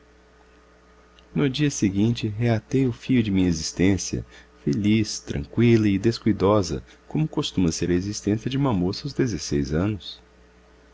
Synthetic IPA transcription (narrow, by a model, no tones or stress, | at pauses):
nʊd͡ʒiɐseɡĩnt͡ʃɪɦeat̪ejʊfiʎʊd͡ʒɪmĩɲezist̪ẽsiɐ̰felist̪ɾɐ̰̃ŋkwilɐɪd̪eskujd̪ɔzɐ̰ | kõmʊkost̪ũmɐseɾɐezist̪ẽsiɐd͡ʒɪũmɐmosawzd̪ezesejzɐ̃nʊs